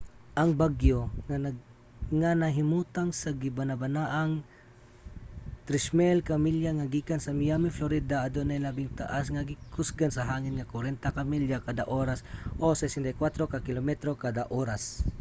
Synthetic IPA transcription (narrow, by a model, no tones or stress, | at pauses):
ʔɐŋbaɡjo | ŋanɐɦɪmuːt̪aŋsaɡɪbanabanaʔaŋ | t̪ɾɪsmɛlkamiljaŋaɡiːkansɐmɪjamɪfloɾid̪aʔad̪onajlabɪŋt̪a̰ʔasŋaɡɪkʰʊsɡansɐɦaːŋɪnŋakwaɾɛnt̪akamiljakad̪aʔoɾasʔosɛsɛnt̪ajkwat̪ɾokakɪlomɛt̪ɾokad̪aʔoːɾas